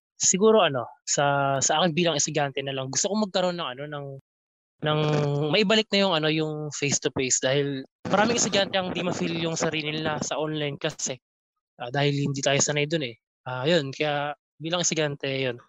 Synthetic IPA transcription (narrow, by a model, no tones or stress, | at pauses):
sɪɡuːɾo̞ʔɐno̞sɐsɐʔaːkɪnbiːlɐŋʔɪst̪ʊd͡ʒant̪ɛnɐlɐŋɡʊst̪okomɐɡ̚kɐɾo̞nːɐŋɐno̞nɐŋ | nɐŋmɐʔɪbɐlɪk̚nɐjʊŋʔɐno̞jʊŋfɛjst̪ʊpejsd̪aːhɪlmɐɾaːmɪŋɛst̪ʊd͡ʒant̪ɛʔɐŋd̪imɐfiljʊŋsɐɾiːlɪnasɐʔonlajnkɐsɛ | ʔaːd̪aːhɪlhɪnd̪iːt̪aːjosɐnɐjd̪onɛ | ʔaːjo̞nkɐja | biːlɐŋɪst̪ʊd͡ʒant̪ɛjo̞n